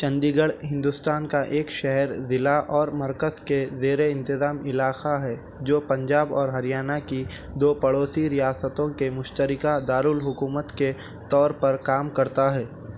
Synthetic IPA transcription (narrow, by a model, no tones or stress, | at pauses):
t͡ʃɐ̃nd̪iɡəɽɦɪ̃nd̪ʊst̪aːnkaʔeːkʃɛɦɛɾzɪlaʔɔːɾmɐɾkəzkezeːɾeɪ̃nt̪ɪzaːmɪlaːxaɦɛː | d͡ʒoːpɐ̃ɲd͡ʒaːbɔːɾɦɐɾijaːnaki | d̪oːpɐɽoːsiɾijaːsət̪õkemʊʃt̪əɾɪkad̪aːɾuːlɦʊkuːmət̪ke | t̪ɔːɾpɐɾkaːmkɐɾt̪aɦɛː